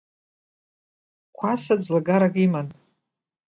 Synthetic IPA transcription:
kʷʰasad͡zlaɡaɾakʼiman

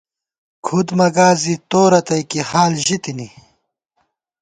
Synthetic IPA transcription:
kʰud̪mɐɡaːzit̪oːɾɐt̪ɐjkihaːlʑit̪ini

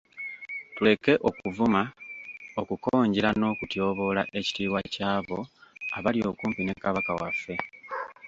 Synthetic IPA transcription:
tule̞ke̞ʔo̞kuvuma | okukoːɲɟiɾano̞ːkutjo̞ːβo̞la̰ʔe̞ci̥tiːwacaːβo̞a̰βaljo̞̰ːkuːmpine̞kaβakawa̰fːe̞

